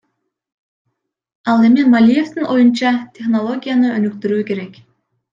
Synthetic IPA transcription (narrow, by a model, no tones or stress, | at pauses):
ɑlˠemɪmalʲijeft̪ɪnʔojunt͡ʃɑt̪ʰeχnolˠoɡʲijanɯønykt̪yɾykʲeɾɛkʲ